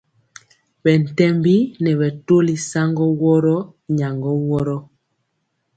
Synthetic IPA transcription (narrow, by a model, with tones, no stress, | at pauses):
bɛ˨n̩˨tɛ˦mbi˦nɛ˨βɛ˨to˦li˨sa˦ŋɡɔ˦wɔ˦ɾɔ˦ | ɲa˨ŋɡɔ˦wɔ˦ɾɔ˦